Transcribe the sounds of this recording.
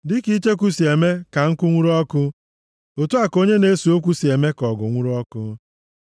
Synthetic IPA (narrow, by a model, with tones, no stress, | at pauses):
dɪ˦ki˦t͡ʃe˦k̬ʷu˦si˨e˨me˦ka˨ŋ̩˦kʊ˦ŋʷu˦ɾɔ˦kʊ˦ | o˨tu˦a˨ko˦ɲe˦ne˦su˨o˦k̬ʷu˦si˨e˨me˦kɔ˨ɡʊ˨ŋʷu˦ɾu˦ɔ˦kʊ˦